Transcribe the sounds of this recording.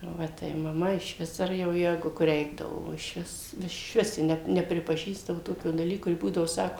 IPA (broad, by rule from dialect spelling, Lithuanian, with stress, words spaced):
ˈʋɐ tɐɪ mɐˈmɐ ɪʃʲˈʋʲɪs ˈɐr jɛʊ ˈjæːɡʊ kʊr ˈrʲɛɪɡdɐʋoː oː ɪʃʲˈʋʲɪs ɪʃʲˈʋʲɪs ˈjɪ ˈnʲɛ nʲɛpʲrʲɪpɐˈʒʲiːzdɐʋoː ˈtoːkʲoː dɐˈlʲiːkoː ˈjɪ ˈbuːdɐʋoː ˈsɑːkoː